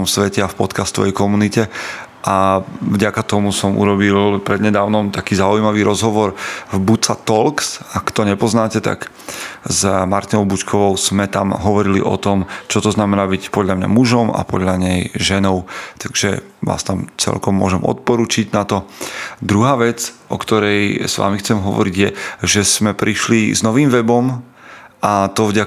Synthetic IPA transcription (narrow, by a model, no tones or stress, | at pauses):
msʋɛcɛafpɔt̪kast̪ɔʋɛ̰jkɔmunicɛ | ʔavɟakat̪ɔmusɔmʔṵɾɔbilpɾɛd̪ɲɛd̪aːʊnɔmt̪akiːzaujmaʋiːɾʔɔzɦɔʋɔɾvbut͡sat̪ɔlksakt̪ɔɲɛpɔznaːcɛt̪a̰ɡ | zmaɾt̪inɔʊbut͡ʃkʰɔʋɔʊz̥mɛt̪amɦɔʋɔɾilḭʔɔ̰t̪ɔmt͡ʃɔt̪ɔznamɛnaːbicpɔd̪ʎamɲa̰muʒɔma̰pɔd̪ʎaɲɛjʒɛnɔʊt̪aɡʒɛ | ʋa̰ːst̪amt͡sɛ̰lkɔmːʊɔʒɛmɔ̰t̪̚pɔɾuːt͡ʃiɟnat̪ɔd̪ɾuɦaːʋɛt͡sʔɔ̰kt̪ɔɾɛjsʋa̰mixt͡sɛmɦɔʋɔ̰ɾiɟjɛʒɛsmɛpɾʔiʃliznɔʋiːmʋɛbɔm | at̪ɔvɟa